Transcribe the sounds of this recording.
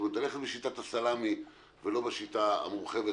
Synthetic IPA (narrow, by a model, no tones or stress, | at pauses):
ut̪aleχet̪beʃitat̪asalami | velo̞beʃit̪aa̰muʁχeve